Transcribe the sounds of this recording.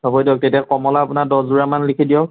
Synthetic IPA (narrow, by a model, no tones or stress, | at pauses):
bʱabɔjdiɔk̚tetiakɔmɔlaːpunadɔzuɹamanlikʰidijɔk